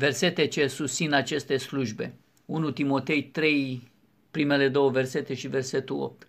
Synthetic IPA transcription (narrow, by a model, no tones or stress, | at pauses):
ve̞rse̞t̪et͡ʃe̞sust̪sinat͡ʃe̞st̪e̞sluʒbe̞ | unut̪imo̞t̪e̞jt̪ɾe̞j | pɾime̞le̞d̪o̞wəve̞rse̞t̪e̞ʃive̞rse̞t̪ulo̰p̚t̪